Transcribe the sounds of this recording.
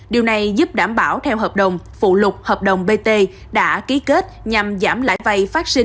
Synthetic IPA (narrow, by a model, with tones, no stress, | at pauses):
ɗi˨˩əwna˨˩jzu˦˥p̚ɗaː˧˩mɓaː˧˩wt̪ʰɛ˧wɦəː˨˩p̚ɗə˨˩wŋ͡m | fṵ˧˨lʊ˨˩k͡p̚həː˨˩p̚ɗə˨˩wŋ͡mɓe˧t̪e˧ | ɗa̰ː˧˥ki˨˦ke˦˥t̚ɲa˨˩mzaː˧˩mla̰ː˧˩jva˧˩jfaː˦˥t̚sï˧ŋ